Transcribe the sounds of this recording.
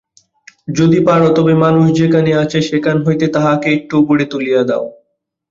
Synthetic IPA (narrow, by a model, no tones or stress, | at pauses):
d͡ʑod̪ipaɾot̪ɔbemanuʃd͡ʑekaneat͡ɕʰeʃekanɦojt̪et̪aɦakeek̚ʈuboɽet̪ulijad̪ɛo